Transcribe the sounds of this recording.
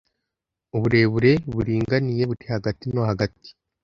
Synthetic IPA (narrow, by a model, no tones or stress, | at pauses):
uβuɾe̞ːβuɾe̞βuɾiːŋɡanije̞βutehaɡatino̞haɡati̥